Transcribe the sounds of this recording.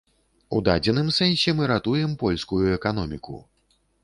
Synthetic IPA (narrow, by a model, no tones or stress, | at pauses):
ṵd̪ad͡zʲɛnɨmsɛnʲsʲɛmɨɾat̪ujɛmpɔlʲskujuɛkanɔmʲikṵ